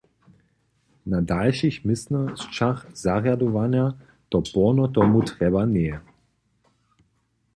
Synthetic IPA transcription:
nadalʃixmɪsnəst͡ʃaχz̥aʁjaduvanja | t̪ɔpɔnɔt̪ɔmut̪ʁɛbanɛɛ

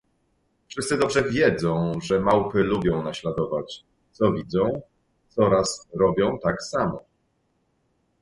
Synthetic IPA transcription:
fʂɘst̪sɘd̪ɔbʐɛvʲjɛd̪zɔ̃w̃ʐɛmawpɘlubʲjɔ̃w̃naɕlad̪ɔvat͡ɕ | t̪sɔvʲid̪zɔ̃w̃ | t̪sɔɾasɾɔbʲjɔ̃w̃t̪aksamɔ

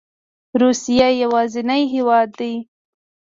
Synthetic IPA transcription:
ɾusijajawɑzɪnajɦewɑd̪ːaj

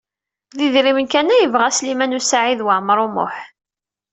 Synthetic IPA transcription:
ðiðɾimənkænæjəvʁæslimænusaʕiðwaʕmɾˤʊmʊ̰ħ

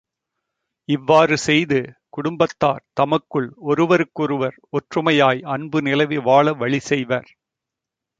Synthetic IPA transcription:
ɪʋːaːrɯsɛjðɯkʊɽʊmbɐt̪ːa̰ːɾt̪ɐmɐkːɯɭɔɾɯʋɐɾɯkːɔɾɯʋɐɾɔʈrɯmɐjaːjɐɳbɯnɪlɐʋɪʋaːɭɐʋɐɭɪsɛjʋaːɾ

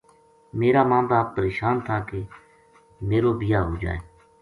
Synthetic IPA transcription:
meːɾaːmãːmbaːpːəɾeːʃaːnt̪ʰaːkeː | meːɾoːbɪjaːɦoːd͡ʒa̰ːeː

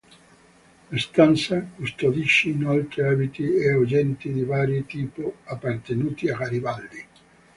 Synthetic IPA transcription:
ast̪ant̪sakust̪od̪iʃːiːnɔlt̪ɾiaːbit̪iɛud͡ʒɛnt̪id̪ivaːɾjit̪iːpʊapːart̪enuːt̪iaɣaɾivald̪i

